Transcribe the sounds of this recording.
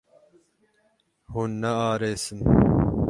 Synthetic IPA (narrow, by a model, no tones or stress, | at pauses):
hunːɐaːɾeːsɨn